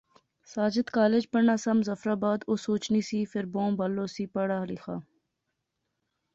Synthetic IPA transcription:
saːd͡ʒɪt̪kaːled͡ʒpɐnaːsɐmzɐfɾaːbaːd̪oːsoːt͡ʃniːsiːfɪɾbõːbɐlːoːsiːpɐɽaːlixa̰ː

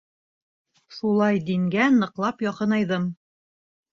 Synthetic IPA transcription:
ʃulˠɑjd̪iŋɡænɤ̆qlˠɑpjɑqɤnɑjðɤm

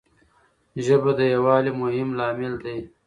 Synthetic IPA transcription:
ʒəbad̪əjɐwɑːlimʊɦɪmlɑːmɪld̪aj

